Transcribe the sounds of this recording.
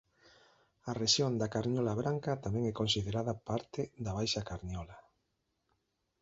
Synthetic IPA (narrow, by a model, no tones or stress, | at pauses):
areʃjond̪akaɾɲɔlaβɾaŋkat̪amɛ̃ŋɛkonsiðeɾaðapaɾt̪ɪd̪aβajʃakaɾɲɔla